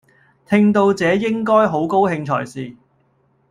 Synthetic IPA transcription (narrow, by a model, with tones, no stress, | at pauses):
t̪ʰɪ˧ŋt̪o˧wt͡sɛː˨˧jɪ˥ŋkɔː˥jɦo˨˥wko˥whɪ˧ŋt͡ʃʰɔ̰ː˨˩jsiː˨